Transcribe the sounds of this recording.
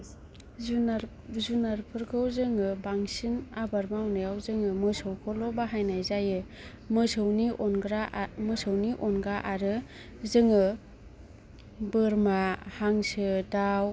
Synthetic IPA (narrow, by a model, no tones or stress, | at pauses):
zunaɾpʰɯɾɡʰɯwzɯŋɯbaŋsinabaɾmawnɯjawzɯŋɯmɯsɯwkʰɔlɔbaɦajnajzajɯ | mɯsɯwniʔɔnɡɾamɯsɯwniʔɔnɡɾaʔaɾɯ | zɯŋɯ | bɯɾmahaŋsɯdaw